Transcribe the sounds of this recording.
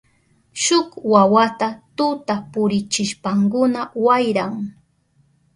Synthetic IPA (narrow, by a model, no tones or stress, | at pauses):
ʃʊkwawat̪at̪ʊt̪apʊɾɪt͡ʃɪʃpaŋkʊnawajɾaŋ